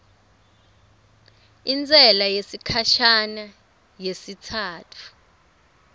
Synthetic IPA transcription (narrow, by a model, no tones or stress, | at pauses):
int͡sʼɛlajesikʰaʃana | jesitʰaːtʰu̥